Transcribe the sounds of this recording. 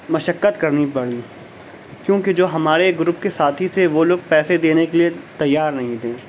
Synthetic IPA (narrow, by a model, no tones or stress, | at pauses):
mɐʃəkːət̪kɐɾnipɐɽ̤iː | kjõːked͡ʒoːɦɐmaːɾeɡʊɾʊpkesaːt̪ʰit̪ʰeʋoloːɡ̚pɛːsed̪eːnekeliet̪ɐjːaːɾnɐɦĩt̪ʰẽː